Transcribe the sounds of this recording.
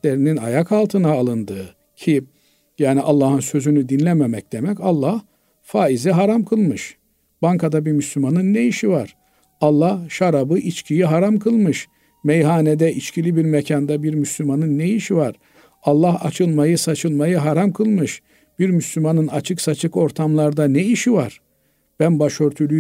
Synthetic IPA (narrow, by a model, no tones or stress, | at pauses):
lʲeɾinina̰jakʰalˠt̪ʰɯnaːlˠɯnd̪ɯː | cʰi | jaːniʔalˠːaːhɯnsø̞zynyd̪inlʲɛmemɛc̚d̪̥emɛcalˠːah | faːiziɦaɾamkʰɯlˠmɯʃ | b̥aŋkʰad̪abiɾmyslʲymanɯnːejiʃivaɾ̥ | alˠːahʃaɾabɯʔit͡ʃcʰijiɦaɾamkʰɯlˠmɯʃ | mejɦaːned̪ɛʔit͡ʃcʰilʲibiɾmecʰand̪abiɾmyslʲymanɯnːeiʃivaɾ̥ | ɑlˠːahat͡ʃʰɯlˠmajɯsat͡ʃʰɯlˠmajɯɦaɾamkʰɯlˠmɯʃ | b̥iɾmyslʲymanɯnat͡ʃʰɯksat͡ʃʰɯko̞ɾt̪ʰamlˠaɾd̪anɛiʃivaɾ̥ | b̥ænbaʃø̞ɾt̪ʰylʲy